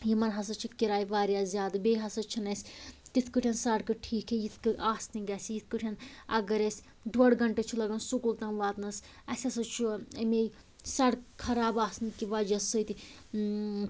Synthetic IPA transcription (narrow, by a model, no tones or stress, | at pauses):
jimɐnɦɐs̬ɐt͡ʃʰikiɾaːjiʋaːɾjaːzʲjaːd̪ɨbeːɦɐsɐt͡ʃʰinɐsʲt̪it̪ʰkɨʈʰʲɐnsɐɽkɨʈʰiːkʰejit̪ʰkɨaːsniɡɐsʲijit̪̚ʰkɨʈʰʲɐnɐɡɐɾesʲ | d̪ʋɐɽɡɐɳʈet͡ʃʰulɐɡɐnsukult̪ɐŋʋaːt̪nɐs | ɐsʲɐsɐt͡ʃʰuɐme | sɐɽkʰɐɾaːbaːsnikiʋɐd͡ʒɐsɨjt̪i